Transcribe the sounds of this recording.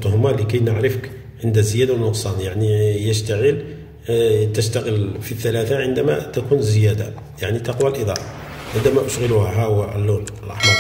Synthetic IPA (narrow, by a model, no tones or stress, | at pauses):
t̪ːˤʊhmaləkæjnəʕɾəfək | ʕənd̪æzəjæd̪awnʊqsˤɑnjaʕnijəʃt̪aɣəl | t̪əʃt̪aɣəlfiθːælæθaʕənd̪æmæ̰t̪ækunzəjæd̪a | jaʕnit̪ɑqwælʔəd̪ˤɑ̰ʔ | ʕənd̪æmæʔʊʃɣəluhæɦæwæʔlːuləlʔɑ̰ħmɑɾˤ